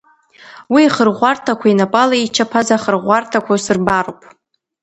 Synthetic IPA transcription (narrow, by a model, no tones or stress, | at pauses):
wiːχərʁʷartʰakʷʰainapʼalait͡ʃʰapʰazaχərʁʷartʰakʷʰasɨrbaropʼ